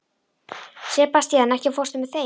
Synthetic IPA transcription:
sɛpast̪jɛanɛhcɪfɔrst̪ʏmɛθe

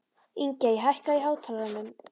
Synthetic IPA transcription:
iɲcaiɦahkaiɦaːwt̪ʰalanʏm

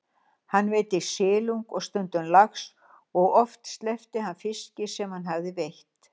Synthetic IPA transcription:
hanːveːjt̪ɪsɪːluŋkɔɣst̪ʏnt̪ʏnlaxs | ɔɣɔft̪st̪lɛft̪ɪhanfɪscɪsɛmhanɦavðɪvejht̪

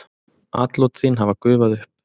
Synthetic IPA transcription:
a̰ːt̪lowt̪θinɦavakʏːvaðʏp

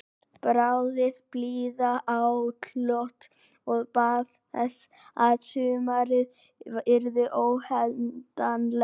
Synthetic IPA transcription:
pɾawðɪðpliːðaʔawt̪ʰlɔht̪ | ɔɣpaːð | ɛ̰s | aðsʏːmaɾɪð | ɪɾðʏʔowhɛlt̪anlɛ

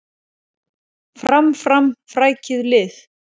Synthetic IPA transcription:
fɾamfɾamfɾaːjcɪðlɪθ

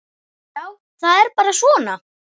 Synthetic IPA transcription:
jaːw | θaðɛɾpaːɾasvɔːna

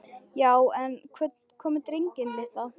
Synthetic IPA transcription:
jaːwɛnkʰvɛ | kʰɔːmɪt̪ɾiɲcɪnlɪht̪a

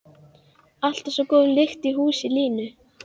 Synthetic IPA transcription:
al̥t̪asɔkɔːðlɪxt̪iɦuːsɪliːnʏ

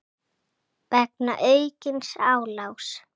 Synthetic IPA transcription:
pɛk̚na̰ʔœɥcɪnsaːwlaws

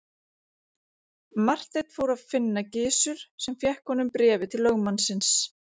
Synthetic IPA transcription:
mar̥t̪ejt̪foːwɾaðfɪnːacɪːsʏɾ̥sɛmfjɛhkɔnʏmpɾɛːvɪt̪ʰɪlːœɣmansɪns

